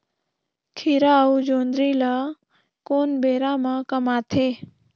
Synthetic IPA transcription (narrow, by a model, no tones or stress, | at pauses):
kʰɪɾaud͡ʒoːnd̪ɾila | koːnbeːɾamãkəmaːt̪ʰe